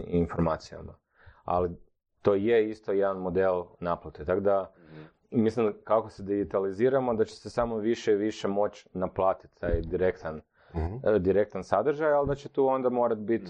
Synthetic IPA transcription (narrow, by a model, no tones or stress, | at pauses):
info̞ɾmaːt̪sija̰ma̰ | a̰li | t̪o̞ːjeist̪o̞jed̪anmo̞d̪elˠnaplˠat̪et̪akod̪a | mislimkakosed̪iɡit̪aliziːɾamo̞d̪at͡ɕe̥sesamoʋiʃeiʋiʃemo̞t͡ɕnaplˠaːt̪i̥t̪t̪ːaːjd̪iɾe̞kt̪an | d̪iɾe̞k̚t̪ansad̪r̩ʒajald̪at͡ɕet̪uːo̞nd̪amo̞ːɾat̪bit̪